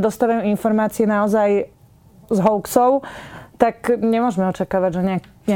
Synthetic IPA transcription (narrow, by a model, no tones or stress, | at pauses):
d̪ɔst̪aːʋajuinfɔɾmaːt͡siɛnaɔzaj | zɦɔʊksɔʊt̪akɲɛmʊɔʒmɛɔt͡ʃakaːʋaɟʒɛɲa | ɲ